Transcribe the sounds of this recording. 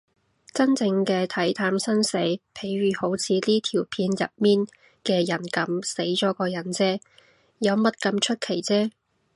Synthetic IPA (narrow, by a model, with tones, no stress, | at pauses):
t͡sɐ˥nt͡sɪ˧ŋkɛː˧t̪ʰɐ˨˥jt̪ʰaː˧msɐ˥nse˨˥jpʰe˨˥jɥyː˨˩ho˨˥wt͡sʰiː˨˧t̪iː˥t̪ʰiː˨˩wpʰiː˧njɐ̰˨t̚miː˥n | kɛː˧jɐ˨˩nkɐ˨˥mse˨˥jt͡ʃɔː˨˥kɔː˧jɐ˨˥nt͡sɛː˥ | jɐ˨˧wmɐ˥t̚kɐ˧mt͡ʃʰɵ˥t̚kʰe˨˩jt͡sɛː˥